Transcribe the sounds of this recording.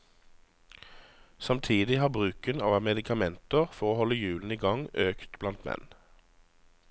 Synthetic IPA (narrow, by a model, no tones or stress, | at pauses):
sɑmt̪ʰiːd̪ɪhɑːbʁʉːkənɑːʋɑmɛd̪ɪkʰɑmɛnt̪əʁfɔʁoːhɔləjʉːln̩iːɡɑŋøːkt̪blɑnt̪mɛ̰n